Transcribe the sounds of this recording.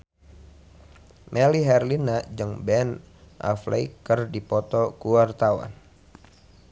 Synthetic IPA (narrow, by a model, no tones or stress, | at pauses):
mʔɛliɦɛrlinad͡ʒɨŋbɛn | ʔa̰flʔɛ̰ikːərdipɔt̪ɔkuwart̪awa̰n